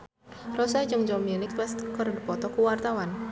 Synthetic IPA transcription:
rɔsad͡ʒɨŋd͡ʒɔmjunɪkwɛskərdipɔt̪ɔkuwart̪awan

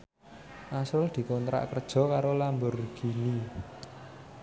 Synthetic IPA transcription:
ʔasɾʊld̪̥i̤kont̪ɾa̰ʔkərd̥ʒ̥ɔ̤kaɾolambʊrɡ̥i̤ni

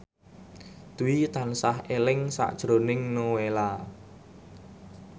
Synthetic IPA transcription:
d̪̥uit̪ansahelɪŋsa̰ʔd̥ʒ̥ɾonɪŋnowela

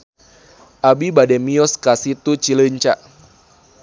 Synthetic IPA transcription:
ʔabibadɛmiɔskasit̪ut͡ʃiləɲt͡ʃaʔ

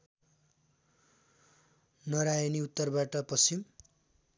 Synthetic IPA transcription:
nʌɾajʌniut̪ːʌrbaʈʌpʌsim

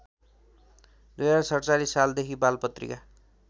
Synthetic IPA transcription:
d̪ujaɾasʌrt͡salisːald̪ekʰibalpʌt̪rḭka

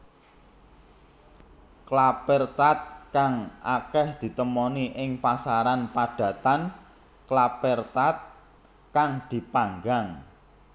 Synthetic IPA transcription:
klapɛrt̪at̪̚kaŋʔa̰kɛhd̪̥i̤t̪əmɔniʔɪŋpasaɾanpad̪̥ä̤t̪an | klapɛrt̪at̪̚ | kaŋd̪̥i̤paŋɡaŋ

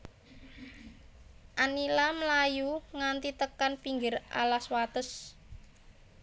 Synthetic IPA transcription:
ʔanilaməlajuŋant̪it̪əkanpiŋɡɪrʔa̰laswat̪əs

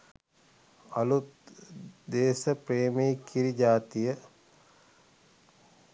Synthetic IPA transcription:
ɐlut̪ | d̪eːsəpreːmekiɾid͡ʒaːt̪ijə

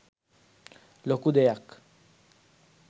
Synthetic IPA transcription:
lokud̪ejak

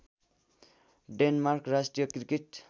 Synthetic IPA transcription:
ɖenmarkrasʈrijʌkrikeʈ

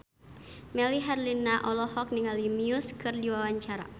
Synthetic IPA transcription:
mɛliɦɛrlinaʔɔlɔɦɔk̚niŋalimiʊskɨrdiwawaɲt͡ʃaɾa̰

